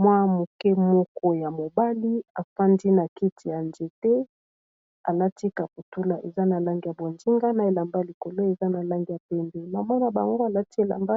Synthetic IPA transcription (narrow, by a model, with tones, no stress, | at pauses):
mwa˦mu˨kɛ˦mɔ˦kɔ˦ja˨mo˨ba˦li˦a˨fa˦ndi˦na˨ki˦tʰi˨ja˨nd͡ʒe˨tɛ˦ | a˨la˦ti˦ka˨pu˨tu˦la˨ʔe˨za˦na˨la˦ŋɡi˨ja˨bwa˨nd͡ʒi˦ŋɡa˦na˨e˨la˨mba˦li˨ko˨lo˦e˨za˦na˨la˦ŋɡi˦ja˨pɛ˦mbɛ˨ma˨mɔ˦na˨ba̰˨ŋɡo˦a˨la˦ti˦e˨la̰˨mba˦